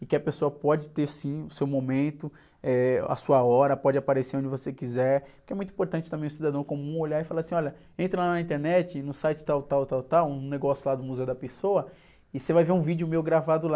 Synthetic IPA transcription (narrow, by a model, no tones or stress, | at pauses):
ɪkɪɐpesoɐpɔd͡ʒɪt̪eɾsĩʊsewmõmẽnt̪ʊ | ɛa̰suɐɔɾɐpɔd͡ʒɪapaɾeseɾõd͡ʒɪvosekizɛɾkɪɛmũj̃t̪uĩpoɾt̪ɐ̃nt͡ʃɪt̪ɐ̃mẽj̃ʊsid̪ad̪ɐ̃w̃kõmũoʎaɪfalaɾɐsĩɔʎɐ | ẽnt̪ɾɐlanɐĩnt̪eɾnɛt͡ʃɪnʊsajt͡ʃɪ̥t̪awt̪awt̪awt̪awũneɡɔsjʊlad̪ʊmuzeʊd̪ɐpesoɐ | ɪsevajveɾũvid͡ʒʊmejwɡɾavad̪ʊla